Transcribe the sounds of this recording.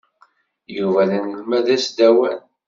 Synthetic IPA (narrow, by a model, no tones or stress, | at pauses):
juvæðənəmæðæsd̪æwæn